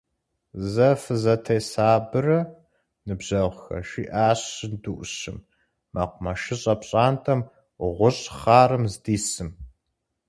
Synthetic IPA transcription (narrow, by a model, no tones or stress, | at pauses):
zɐfɨzɐtʰɐjsaːbɨrɐ | nɨbʑ̥ɐʁʷxɐ̰ʃiːʔaːɕɨnduʔʷʊɕɨ̰mː | ɐ̰qʷʊmɐʃɪɕʼɐpɕʼaːntʼɐm | ʁʷʊɕʼχaːɾɨmzdiːsɨm